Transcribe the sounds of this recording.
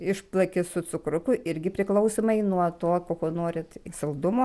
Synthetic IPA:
ɪʃplˠɐkʲɪsʊt͡sʊkɾʊkʊʔɪɾʲɡʲɪpʲɾʲɪklˠɐʊsʲomɐɪnuɔt̪oːkoːkoːnoːɾʲɪt̪sʲɐlˠd̪ʊmoː

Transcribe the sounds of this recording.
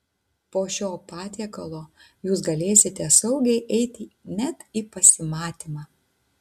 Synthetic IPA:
poːʃʲoːpɑːt̪ʲiɛkɐlˠoː | juːs̬ɡɐlʲeːsʲɪt̪ʲɛsɐʊɡʲɛɪʔɛɪt̪ʲɪnʲɛt̪iːpɐsʲɪmɑːt̪ʲiːmɑː

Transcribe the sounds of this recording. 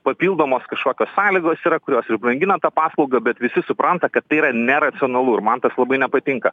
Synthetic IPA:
pɐpʲiːlˠd̪oːmoːskɐʃkoːkʲoːssɑːlʲɪɡoːsiːɾɐkʊɾʲoːsɪrbrɐŋʲɡʲɪnɐt̪ɐpɑːslˠɐʊɡɐbʲɛt̪ʋʲɪsʲɪsʊpɾɐnt̪ɐkɐt̪ːɐɪiːɾɐnʲɛɾɐt̪sʲɪonɐlˠuːɪɾmɐnt̪ɐslˠɐbɐɪnʲɛpɐt̪ʲɪŋkɐ

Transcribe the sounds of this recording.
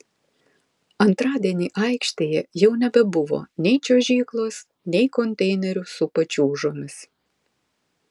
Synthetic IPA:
ɐnt̪ɾɑːd̪ʲiɛnʲiːʔɐɪkʃʲt̪ʲeːjɛjɛʊnʲɛbʲɛbʊʋo̰ːnʲɛɪt͡ʃʲoʒʲiːklˠoːs | nʲɛɪkɔnʲt̪ʲɛɪnʲɛɾʲʊsʊpɐt͡ʃʲuːʒoːmʲɪs

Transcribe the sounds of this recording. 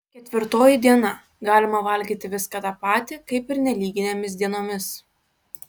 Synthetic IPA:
kʲɛt̪ʲʋʲɪɾt̪oːjɪd̪ʲiɛnɐ | ɡɑːlʲɪmɐʋɐlʲɡʲiːt̪ʲɪʋʲɪskɑt̪ɑpɑːt̪ʲɪkɐɪpɪɾnʲɛlʲiːɡʲɪnʲemʲɪs̬d̪ʲiɛnoːmʲɪs

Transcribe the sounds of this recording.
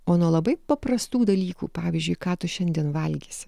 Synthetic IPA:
oːnuɔlˠɐbɐɪpɐpɾɐst̪uːd̪ɐlʲiːkṵːpɑːʋʲiːzʲd͡ʒʲʊɪkɑːt̪ʊʃʲɛnʲd̪ʲiɛnʋɐlʲɡʲisʲ

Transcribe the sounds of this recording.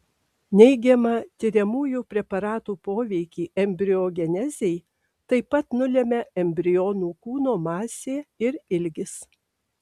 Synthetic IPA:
nʲɛɪɡʲɛmɐt̪ʲɪɾʲɛmuːjuːpʲɾʲɛpɐɾɑːt̪uːpoːʋʲɛɪkʲiːʔɛmʲbʲɾʲɪoːɡʲɛnʲɛzʲɛɪ | t̪ɐɪpɐt̪nʊlʲɛmʲɛɛmʲbʲɾʲɪjoːnuːkuːnoːmɑːsʲeːɪɾɪlʲɡʲɪs

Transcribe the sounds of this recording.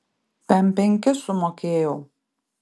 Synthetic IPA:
t̪ʲɛmpʲɛŋʲkʲɪsʊmoːkʲeːjɛʊ

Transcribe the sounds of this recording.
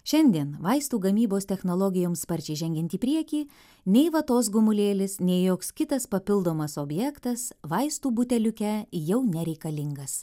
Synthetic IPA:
ʃʲɛnʲd̪ʲiɛnʋɐɪst̪uːɡɐmʲiːboːsʲt̪ʲɛxnolˠɔɡʲɪjoːmspɐɾʲt͡ʃʲɛɪʒʲɛŋʲɡʲɛnʲt̪ʲiːpʲɾʲiɛkʲiː | nʲɛɪʋɐt̪oːs̬ɡʊmʊlʲeːlʲɪsnʲɛɪjoːkskʲɪt̪ɐspɐpʲɪlˠd̪oːmɐsoːbʲjɛkt̪ɐsʋɐɪst̪uːbʊt̪ʲɛlʲʊkʲɛjɛʊnʲɛɾʲɛɪkɐlʲɪŋɡɐs

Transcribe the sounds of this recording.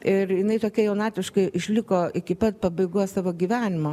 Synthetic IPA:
ɪɾjɪnɐɪt̪oːkʲɛjɛʊnɑːt̪ʲɪʃkɐɪʔɪʃʲlʲɪkoːɪkʲɪpɐt̪̚pɐbɐɪɡujsɑːʋoːɡʲiːʋʲæːnʲɪmo

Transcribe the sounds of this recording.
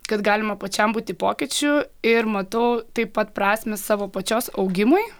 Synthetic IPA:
kɐt̪ɡɑːlʲɪmɐpɐt͡ʃʲɛmbuːt̪ʲɪpoːkʲɪt͡ʃʲʊɪɾmɐt̪ɐʊt̪ɐɪppːɐt̪pɾɑːsʲmʲɛssɑːʋoːpɐt͡ʃʲoːsɐʊɡʲɪmʊɪ

